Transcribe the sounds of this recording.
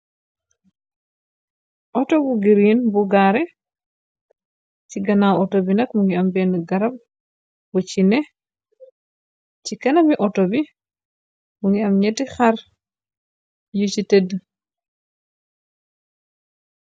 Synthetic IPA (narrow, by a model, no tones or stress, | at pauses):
ʔɔtobuɡiɾinbuɡaɾɛ | ciɡɐnawɔtobinɐkmuŋɡiambɛnɡɐɾɐb̚ | but͡ʃinɛ | t͡ʃikɛnɐmiʔɔtobi | muŋɡiɐmɲetixar | jut͡ʃitedː